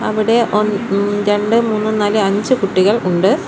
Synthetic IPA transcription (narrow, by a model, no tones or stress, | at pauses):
ɐʋiɽe̞ʔonɾe̞ɳɖɨmuːnːɨnaːlɨɐɲd͡ʑɨkuʈːiɣɐɭuɳɖɨ